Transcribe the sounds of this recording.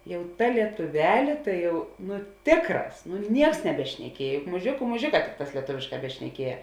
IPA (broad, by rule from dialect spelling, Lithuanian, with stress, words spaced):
ˈjɛʊ ˈtɐ lʲiɛtʊˈʋʲæːlʲeː ˈtɐɪ jɛʊ ˈnʊ ˈtʲeːkˌrɑːs nʊ ˈnʲiɛks nʲɛbʲɛʃʲnʲɛˈkʲiɛj jʊk mʊˈʒʲeːkʊ mʊˈʒʲeːˌkɑː ˈtʲɪkˌtɑːs lʲiɛˈtoːʋʲeːʃˌkɑː bʲɛʃʲnʲɛˈkʲiɛjɛ